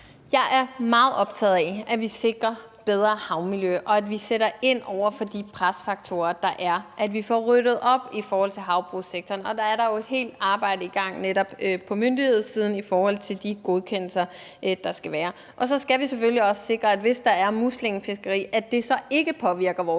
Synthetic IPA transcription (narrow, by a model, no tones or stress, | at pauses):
jɑ̈ɪʔæɐmɑ̈ːð̩ˠɒ̽b̥̚t͡sʰɛ̰ːðˠɛʔæʋise̝ɡ̥ʁɐ | b̥eð̞ˠʁɐhɑ̈ʊmiljøʔɒ̽ædʋiseɾɐe̝n̰ɒʊ̰ɐfɒ̽d̥ipʰʁasfɑ̈ɡ̥t͡sʰo̝ːɐd̥ɑ̈ʔæɐʔæd̥ʋifɒʁøɾ̥ð̩ˠɒ̽b̥ifɒːhɒ̽l̰t͡sʰe̝lɦɑ̈ʊb̥ʁuseɡ̥̚t͡sʰɒːnɒ̽d̥ɑ̈æɐɾɑ̈jo̝e̝d̥he̝̰ːld̥ɑ̈ːb̥ɑ̈ɪ̰dəiɡ̥ɑ̈ŋ̰neɾɒ̽b̥øpʰɒ̽mønd̥ihe̝ð̞̰ˠsiːð̞ˠn̩ifɒːhɒ̽l̰t͡sʰe̝ld̥iɡ̥o̝ð̞ˠkʰen̰l̩sɐ | ʔd̥ɑ̈sɡ̥æʋæːɐ | ʔɒ̽sɒ̽sɡ̥æʋiseføliɒ̽sə̥se̝ɡ̥ʁɐæd̥ʋe̝sd̥ɑ̈æɐmuslenfe̝sɡ̥ɐʁḭːæd̥e̝sɒ̽e̝ɡ̥əpʰɒ̽ʋiɐɡ̥ɐʋɒː